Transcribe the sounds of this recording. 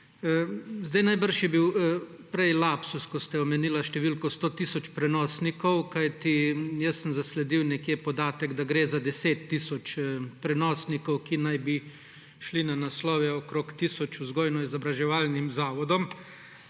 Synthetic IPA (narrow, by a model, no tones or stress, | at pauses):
zd̪ajnajbəɾʃjɛbiw | pɾɛjlapsuskɔst̪ɛɔmɛniːlaʃt̪ɛʋilkɔst̪oːt̪isɔt͡ʃpɾɛnɔːsnikɔwkajt̪ijəsːəmzaslɛd̪iwnɛkjepɔd̪aːt̪ɛɡd̪aɡɾeːzad̪ɛseːt̪ːisɔt͡ʃpɾɛnɔːsnikɔwkinajbi | ʃlinanaslɔːʋɛɔkɾokt̪isɔt͡ʃuzɡoːjnɔizɔbɾaʒɛʋaːlnimzaːʋɔd̪ɔm